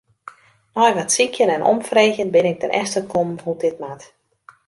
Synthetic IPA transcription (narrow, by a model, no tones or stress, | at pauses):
nɔjʋatsikʰjənɛnʔɔ̰mfreːɣjənbɪnɪk̚tɛnʔɛ̰stəkʰomhudɪtmat